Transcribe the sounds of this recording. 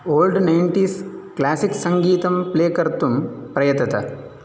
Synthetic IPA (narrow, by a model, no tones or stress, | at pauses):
oːlɖnɐjɳʈiːsklaːsiksɐŋɡiːt̪ɐmpleːkɐɾt̪umpɾɐjɐt̪ːɐt̪ɐ̰